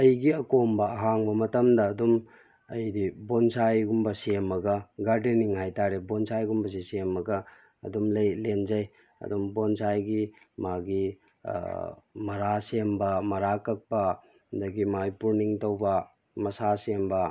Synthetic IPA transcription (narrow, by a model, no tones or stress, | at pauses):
ɐjɡiɐkombɐːɦaŋbɐmɐtɐmdɐːdum | ɐjdibonsajɡumbɐsemɐɡɐɡaɾdiniŋhajtaɾebonsajɡumbɐs̬isemɐɡɐ̰ː | dumlɐjlend͡ʒɐj | ɐ̰dumbonsajɡi | maɡḭ | mɐɾasembɐmɐɾakɐk̚pɐ | ndɐɡimajpuɾniŋtɐwbɐ | mɐsasembɐ